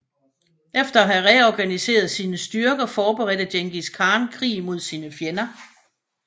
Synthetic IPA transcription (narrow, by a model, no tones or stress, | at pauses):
ʔefd̥ɐɦæʁɛɒɡ̥ænise̝̰ːɐð̞ˠsiːnəsd̥yɐɡ̥ɐfɒːb̥əʁɛd̥̩djeŋɡ̥iskʰɑ̈ːnkʰʁḭːmo̝ð̞̰ˠsiːnəfjenɐ